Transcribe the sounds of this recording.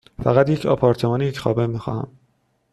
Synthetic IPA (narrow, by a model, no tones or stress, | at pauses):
fæɣæt̪je̞cʰɒ̰ːpʰɒːɾt̪ʰe̞mɒːniecʰxɒːbemixɒ̰ːhæ̰m